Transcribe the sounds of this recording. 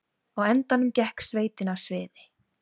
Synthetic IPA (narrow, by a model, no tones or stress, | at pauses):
ɔɣɛnt̪anʏmcɛhksveːjt̪ɪnasvɪːðɪ̥